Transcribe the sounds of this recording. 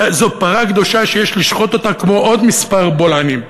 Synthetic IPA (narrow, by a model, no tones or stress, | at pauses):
zopaʁaɡd̪o̞ʃaʃejeʃliʃχo̞t̪o̞t̪akmo̞ʔod̪mispaʁbolanim